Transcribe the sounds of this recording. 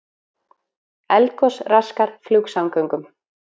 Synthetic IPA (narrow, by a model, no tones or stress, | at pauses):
ɛlkɔsraskaɾ̥fluːksawŋkœŋkʏm